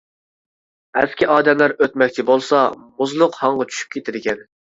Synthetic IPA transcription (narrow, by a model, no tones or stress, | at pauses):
ɛ̰skʲiʔɑːd̪ɛmlæɾøt̪mɛkʲt͡ʃʰɪbolˠsɑmuzlˠʊqhɑŋʁɑt͡ʃʰy̥ʃy̥p̚kʲʰet̪ʰɪd̪ɪkʲʰɛn